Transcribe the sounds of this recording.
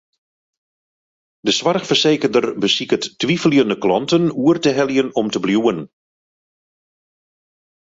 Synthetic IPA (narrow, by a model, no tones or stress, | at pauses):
dəsʋarxfərseːkərdərbəsikəttʋifəljəndəklɔntənuərtəɦɛljənɔmtəbljuən